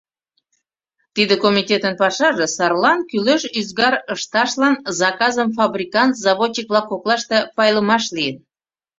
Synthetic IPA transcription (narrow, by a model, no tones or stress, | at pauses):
t̪id̪ekomʲitʲet̪ənpɑʃɑʒĕsɑrlɑnkyløʃyzɣɑɾəʃt̪ɑʃlɑnzɑkɑzəmfɑbrʲikɑnt̪zɑβoɲik̚βlɑkːoklɑʃt̪ĕpɑjləmɑʃlijən